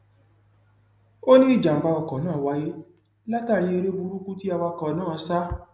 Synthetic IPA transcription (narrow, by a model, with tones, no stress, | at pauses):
o˦nĩ˦i˦˨d͡ʒa˨m̩˨ba˧ɔ˧˨kɔ˨nãː˦˨wa˧˦je˦ | la˦ta˦˨ɾi˧˦e˧ɾe˦bu˧ɾu˦ku˦ti˦a˧wa˧kɔ˨nãː˦˨˧sa˦